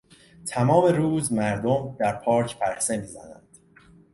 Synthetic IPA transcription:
t̪ʰæmɒːme̞ɾuːzmæɾd̪omd̪̥æɾpʰɒːɾcʰpʰæɾhsemiːzæ̰næ̰nd̪̥

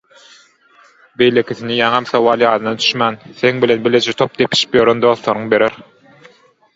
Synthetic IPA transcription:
be̞jle̞kʲiθinijɑŋɑmθowɑːlˠjɑːd̪ɯnɑd̪y̥ʃmænθeŋbile̞nbeled͡ʒet̪ʰo̞p̚d̪epʰi̥ʃi̥pjøɾond̪o̞ːθlˠoɾuŋbe̞ɾeɾ

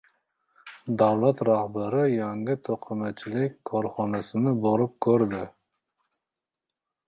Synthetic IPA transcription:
d̪æwlˠɛt̪ɾɑhbæɾɪjɛŋɡɪt̪ʰoqʰəmɛt͡ʃʰilɪkʲkʰːɔɾχɑnɛsɪnɪboɾup̚kʲʰøɾd̪ɪ

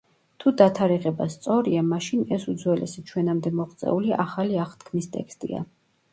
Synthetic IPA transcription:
t̪ʰud̪at̪ʰaɾiʁɛbast̪sʼɔɾiamaʃinɛsud̪zwɛlɛ̰sit͡ʃʰwɛnamd̪ɛmɔχt̪sʼɛ̰uliʔaχaliaχt̪ʰkʰmist̪ʼɛ̰kst̪ʼḭa̰

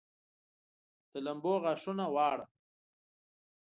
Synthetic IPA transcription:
d̪̥əlamboɣaʂunawɑːɽa

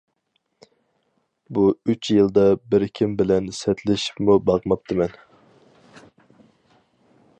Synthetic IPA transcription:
buyt͡ʃʰjɨlˠd̪ɑbɪɾkʲʰimbɪlɛnsɛt̪lɪʃi̥pmubɑʁmɑp̚t̪ʰɨmɛn

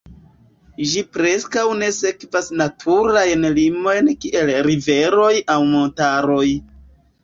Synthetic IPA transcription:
d͡ʒipɾe̞skawne̞se̞kvasnatʰuɾajnlimo̞jnkiʔe̞lɾive̞ɾo̞jawmo̞ntaɾo̞j

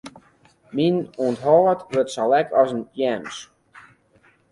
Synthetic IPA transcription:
minuəntɦɔːətʋøtsalɛkʰɔsənjɛms

